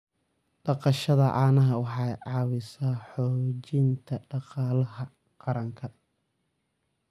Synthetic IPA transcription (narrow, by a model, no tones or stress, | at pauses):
ɖ̥ɑqɑʃɐðɐʔɑːnɐɦɐwɑħɑjʕɑːwɪsaːħɔːt͡ʃɪnt̪ʰɐɖɑqɑːlɐɦɐ | qɑɾɐŋkʰɐ